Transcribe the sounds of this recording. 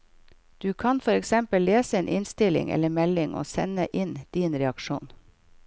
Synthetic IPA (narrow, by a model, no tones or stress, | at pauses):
d̪̥ʉːkʰɑnfɔɾɛksɛmpəlleːsəeːnʔɪnst̪ɪlɪ̰ŋʔɛ̰lːəɾmɛlɪŋo̰ːsɛnəʔɪnd̪̥iːnɾɛɑkʃṵːn